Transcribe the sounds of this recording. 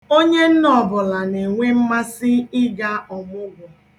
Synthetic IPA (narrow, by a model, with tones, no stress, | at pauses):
o˦ɲe˦n̩˦nɔ˨bʊ˨la˨ne˨ŋʷe˦m̩˦ma˦sɪ˦ɪ˦ɡa˦ɔ˨mʊ˦ɡʷʊ˨